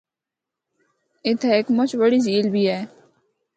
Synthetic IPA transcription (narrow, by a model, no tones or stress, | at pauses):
ɪt̪ʰɛeːkmʊt͡ʃbəɽiːd͡ʒiːlbʱiːɦɛː